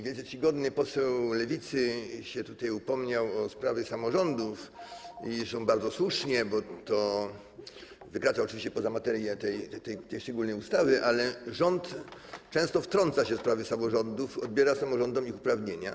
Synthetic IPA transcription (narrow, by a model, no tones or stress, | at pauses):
vʲjɛlsɛt͡ɕiɡɔd̪nɘpɔsɛwlɛvʲit̪sɘɕɛt̪ut̪ajupɔmɲawɔspɾavʲjɛsamɔʐɔnd̪ufisɔ̃w̃baɾd̪zɔswuʂɲɛbɔt̪ɔ | vɘkɾat̪saɔt͡ʂɨvʲiɕt͡ɕɛpɔzamat̪ɛɾjɛt̪ɛjɛt̪ɛjt̪ɛjʂt͡ʂɛɡulnɛjust̪avɘʔalɛʐɔnt̪t͡ʂɛ̃w̃st̪ɔft̪ɾɔnt̪saɕɛfspɾavɘsamɔʐɔnd̪ufɔd̪̚bʲjɛɾasamɔʐɔnd̪ɔmixupɾavɲeɲa̰